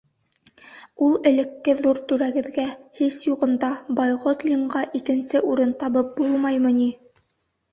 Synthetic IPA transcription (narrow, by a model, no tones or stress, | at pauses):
ulˠɘ̆lɘ̆kːɘðuɾt̪ʉɾæɡɘ̆ðɡæhisjuʁɤ̆nd̪ɑbɑjʁot̪lʲiɴɢɑʔikɘ̆nsɘʔuɾɤnt̪ɑβɤp̚bulˠmɑjmɤ̆ni